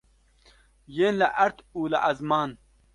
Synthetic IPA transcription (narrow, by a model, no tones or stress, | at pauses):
jeːnlaʔɐɾt̪ʰuːla̰ʔɐzmaːn